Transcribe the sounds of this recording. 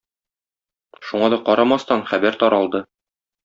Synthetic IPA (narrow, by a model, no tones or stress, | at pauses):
ʃuɴɑd̪ɒqɒɾɑmɑst̪ɑnχæbæɾt̪ɒɾɑlˠd̪ɤ